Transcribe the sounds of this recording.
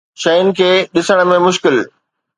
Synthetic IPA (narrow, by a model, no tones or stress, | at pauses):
ʃɐjʊnɪ̆kʰeːɗɪsəɽ̃ə̆mẽmʊʃkɪl